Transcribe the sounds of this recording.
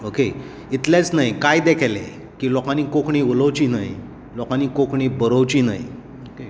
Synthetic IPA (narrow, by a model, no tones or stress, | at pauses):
oke | it̪lẽt͡snajkajd̪ekʰjlḛ | kiːlɔkaniːkokɳiːʋələʋt͡ɕiːnaj | lɔkãniːkokɳiːbəɾəʋt͡ɕiːna̰j̰ | oke